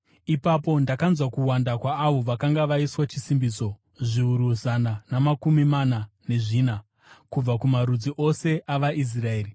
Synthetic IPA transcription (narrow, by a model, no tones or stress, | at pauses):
ipapo̞ndakanzwakuwandakwaːʋo̞ʋakaŋɡaʋaiswat͡ʃisimbit͡so̞ | ʐiuɾuzananamakumimanane̞ʐiːna | kub͡vakumaɾud͡ziʔo̞se̞ʔaʋaʔis̬rae̞ːri